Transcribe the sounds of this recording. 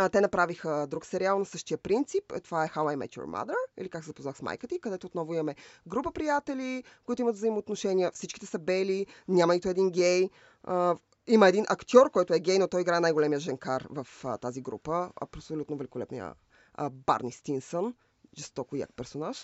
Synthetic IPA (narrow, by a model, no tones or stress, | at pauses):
t̪ɛnɐpɾavixəd̪ɾuksɛɾialˠnɐsɤʃt̪ijəpɾint̪sipt̪ovaɛxawajmɛ̰t̪o̰ɾma̰d̪ɾəḭlikaksɛzɐpoznaxsma̰jkət̪əikɐd̪ɛt̪ot̪nɔvʊimɐmɛɡɾupəpɾijat̪ɛlikoit̪oimɐt̪vzəimoːt̪noʃɛniəfsit͡ʃkit̪ɛsɐbɛlinʲamɐnit̪ʊɛd̪inɡʲɛj | ə | iməɛd̪inʔɐkt̪ʲɔɾkɔjt̪ʊɛɡʲɛjnot̪ɔjiɡɾaɛnajɡolɛmijəʒɛŋkaɾvɐft̪aziɡɾṵpəɐ̰psolut̪novɛlikolɛ̰pnḭjə̰ | ba̰ɾnʲist̪insən | ʒɛst̪ɔkoja̰k̚pɛɾsonaʃ